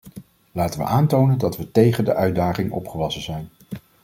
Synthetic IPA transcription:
laːtənʋə̰ʔaːntownəndɑtʋətejχəndə̰ʔœɥ̚daːχɪŋʔɔ̰pχəʋɑsənzɛjn

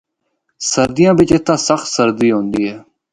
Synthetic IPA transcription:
səɾd̪ɪjãːbɪt͡ʃet̪ːãːsəxt̪səɾd̪iːɦõːnd̪iːɦɛː

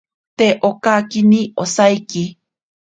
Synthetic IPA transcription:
t̪eʔokakiniʔosajki

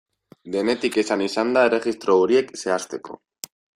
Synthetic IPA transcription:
d̪e̞ne̞t̪ike̞sanisand̪ae̞re̞ɣist̪ɾo̞oɾie̞kse̞ast̪e̞ko̞̰

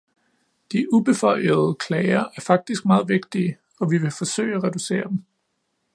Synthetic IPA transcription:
d̥iʔub̥e̝fɒ̽ɪ̰əð̞̩ˠəkʰlɛɪɐʔæɐfɑ̈ɡ̥̚d̥isɡ̥̚mɑ̈ːð̞̩ˠʋe̝ɡ̥̚d̥iə | ɒ̽ʋiʋe̝fɒ̽sø̰ːɪæʁɛd̥use̝̰ːɐd̥em̩

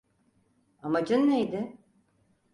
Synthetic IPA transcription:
amad͡ʒɯnːejd̪ɪ

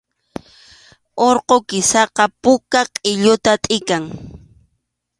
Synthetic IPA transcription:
oɾqokɪsɑqɑpʊkaqʼɪʎʊt̪at̪ʼɪkaŋ

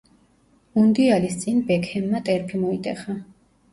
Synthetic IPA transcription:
und̪ialist̪sʼinbɛkʰhɛmːat̪ʼɛɾpʰimɔit̪ʼɛχa

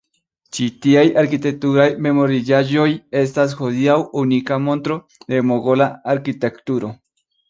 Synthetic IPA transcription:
t͡ʃit̪iajaɾkit̪e̞k̚t̪uɾajme̞mo̞ɾid͡ʒaʒo̞je̞s̬tas̬xod̪iawunikamo̞nt̪ɾo̞ | d̪e̞moɡo̞laaɾkit̪e̞kt̪uɾo̞

